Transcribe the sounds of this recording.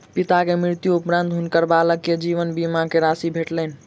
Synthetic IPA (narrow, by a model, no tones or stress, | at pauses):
pit̪akemɾiɾt̪juupɾə̃nd̪ʱɦunkəɾbaləkːed͡ʒiʋənbimakeɾasibʱeʈlənĭ